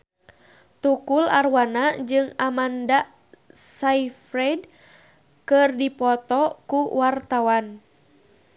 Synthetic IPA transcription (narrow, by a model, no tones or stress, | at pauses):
t̪ukula̰rwanad͡ʒɨŋamandaʔ | saifɾɛd | kɨrdipɔt̪ɔkuwart̪awan